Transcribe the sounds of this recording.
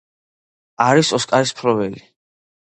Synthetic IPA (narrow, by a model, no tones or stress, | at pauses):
aɾisɔskʼaɾispʰɾɔvɛli